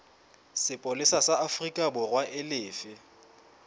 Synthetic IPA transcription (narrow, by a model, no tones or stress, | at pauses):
sɪpʼʊlɪsasaafrikʼabʊrwaʔɪlɪːfɪ